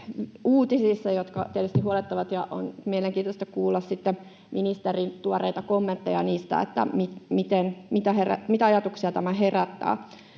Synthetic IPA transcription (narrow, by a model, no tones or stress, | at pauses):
uːt̪isisːɑjot̪kɑt̪iet̪yst̪ihuolet̪ːɑʋɑt̪jɑʔo̰nmieleŋkiːt̪ost̪ɑkuːlːɑssit̪ːe | mʔinist̪erint̪uoreit̪ɑkomːent̪ːɑjɑniːst̪æ̰ḛt̪ːæ̰mit̪mit̪enmit̪æheræ̰mit̪æɑjɑt̪uksiɑt̪æmæɦeræt̪ːæ̰ː